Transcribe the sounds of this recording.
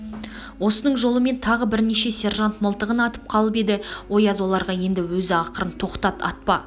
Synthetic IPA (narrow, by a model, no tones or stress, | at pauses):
wo̞sənəɴʒo̞lˠəme̞nt̪ʰɑʁəbɪɾne̞ʃe̞se̞rʒant̪məlˠt̪əʁənɑt̪ə̥p̚qʰɑlˠəpe̞d̪ɪwo̞jɑzwo̞lˠɑɾʁɑje̞nd̪ɪwɵzɪɑqəɾənt̪ʰo̞qt̪ɑt̪ɑ̰t̪̚pɑ